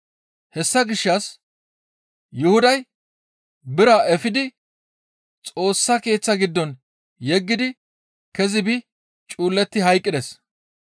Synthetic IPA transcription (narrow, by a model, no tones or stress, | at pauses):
hɛsːɐɡɪʃːɐs | jʊhʊd̪ɐj | bɪɾɐʔɛfɪd̪ɪ | t͡sʼo̞ːsːɐke̞ːt͡sːɐɡɪd̪ːɔn | jɛɡːɪd̪ɪ | kɛzɪbɪ | t͡ʃʼuːlːɛt̪ːɪɦɐjkʼːɪd̪ɛs